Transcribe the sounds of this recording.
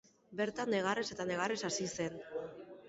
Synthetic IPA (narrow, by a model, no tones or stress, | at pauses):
be̞ɾt̪anːe̞ɣ̞arese̞t̪ane̞ɣ̞aresasise̞n